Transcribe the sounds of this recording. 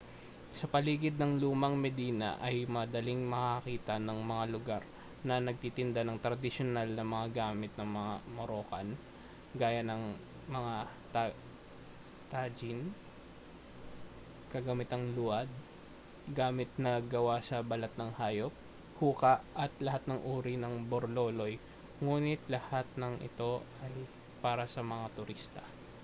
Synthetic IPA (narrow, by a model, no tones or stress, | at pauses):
sɐpɐliːɡɪd̪̚nɐŋluːmɐŋmɛd̪iːnɐ̰ʔɐjmɐd̪ɐliŋmɐkɐkiːt̪ɐnɐŋmɐŋalʊɡaɾ | nɐnɐɡ̚t̪it̪ɪnd̪anɐŋt̪ɾɐd̪ɪʃonalnɐmɐŋaɡaːmɪt̪̚nɐŋmɐŋamoɾoːkɐn | ɡaːjɐnɐŋ | mɐŋa | t̪ | t̪ad͡ʒɪn | kɐɡɐmɪt̪ɐŋluɐd̪̚ | ɡaːmɪt̪nɐɡɐwasɐbɐlɐt̪̚nɐŋhaːjop̚ | huːkɐʔʔɐt̪lɐhat̪̚nɐŋʔuːɾinɐŋboɾloːlo̞j | ŋuːnɪt̪̚lɐhat̪̚nɐŋʔɪ̰t̪o̞ | ɐj | paːɾɐsɐmɐŋat̪ʊɾist̪ɐ